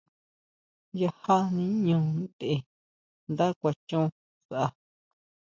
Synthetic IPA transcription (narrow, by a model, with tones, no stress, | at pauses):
ja˧ha˦nĩ˦ɲũ˨˧˨nd̪e˨e˧˨ | nd̪a˦kʷa˧t͡ʃũ˦˧ | sa˨ʔa˧˨